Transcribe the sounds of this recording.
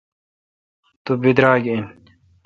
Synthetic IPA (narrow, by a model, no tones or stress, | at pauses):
t̪ubid̪ɾaːɡin